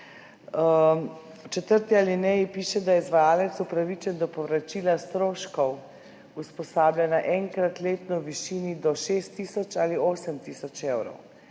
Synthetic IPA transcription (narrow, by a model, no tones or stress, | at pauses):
t͡ʃɛt̪əɾt̪ialinɛipiːʃɛd̪ajɛizʋajaːlɛt̪supɾaʋit͡ʃɛnd̪ɔpɔʋɾat͡ʃiːlast̪ɾoːʃkɔw | uspɔsaːblʲjanaʔɛŋkɾat̪leːt̪nɔwʋiʃiːnid̪ɔʃeːst̪ːiːsɔt͡ʃaːlioːsɛmt̪isɔt͡ʃewɾɔ̰w